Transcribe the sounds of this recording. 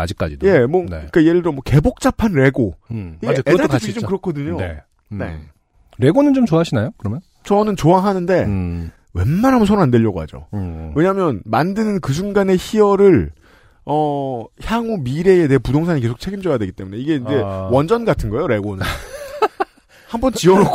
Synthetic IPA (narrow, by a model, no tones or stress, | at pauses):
a̰d͡ʑik͈ad͡ʑidje̞mʌnek͈ajeɾɯɭdɯɾomwʌkebok̚t͡ɕ͈apʰanɾe̞ɡojeeaipʰiit͡ɕomkɯɾʌkʰʌdɯɲoḛ | nḛ | ɾe̞ɡonɯnt͡ɕomt͡ɕoaɕʰinajokɯɾʌmjʌn | t͡ɕʌnɯnt͡ɕoaɦanɯnde̞ | we̞̰nmanɦambunsʰoɾoandwe̞ʎːʌɡoɦa̰d͡ʑo̰we̞ɲamjʌnmandɯnɯnkɯs̬ʰuŋɡane̞çiʌɾɯɭ | ʌçjaŋomiɾe̞ːdeɦepudoŋs̬ʰaɲike̞sʰok̚t͡ɕʰe̞ɡimd͡ʑʌjadwe̞ɡit͈e̞mune̞iɡe̞ind͡ʑe̞wʌnd͡ʑʌnɡatʰɯnɡʌejoɾe̞ɡonɯn | hambʌnt͡ɕiʌɾo